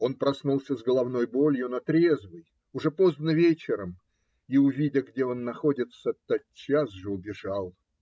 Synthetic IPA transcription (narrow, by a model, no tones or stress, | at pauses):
o̞npɾɐsnulˠsʲəzɡəlˠɐvno̞jbo̞lʲjʊnɐt̪ɾʲe̞zvɨj | ʊʐɛpo̞znəvʲet͡ɕɪɾəm | iʊvʲidʲəɡdʲeo̞nːɐxo̞dʲɪt̪sət̪ɐtt͡ɕasʐɨʊbʲɪʐalˠ